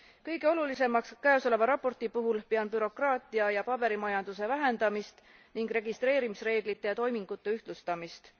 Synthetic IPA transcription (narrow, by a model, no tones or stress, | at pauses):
kɤjɡ̥e̞o̞lulise̞mɑkskæoso̞le̞vɑɾɑpːo̞rt̪ipuɦulpeɑnpyɾo̞krɑːt̪ˑiɑjɑpɑb̥e̞ɾimɑjɑnd̪̥use̞væɦe̞nd̪̥ɑmist̪ | niŋɡɾe̞ɡist̪ɾe̞ːɾimisre̞ːɡlit̪ːe̞jɑt̪o̞jmiŋɡ̥ut̪ːe̞yht̪lust̪ɑmist̪